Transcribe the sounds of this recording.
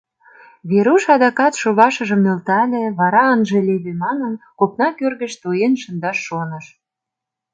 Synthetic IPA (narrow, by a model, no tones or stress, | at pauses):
βeɾuʃɑd̪ɑkɑt̪ʃoβɑʃə̆ʒə̆mnølt̪ælʲeβɑɾɑɑnʒelʲeβemɑnənkopnɑkørɣə̆ʃt̪uenʃə̆nd̪ɑʃːonə̆ʃ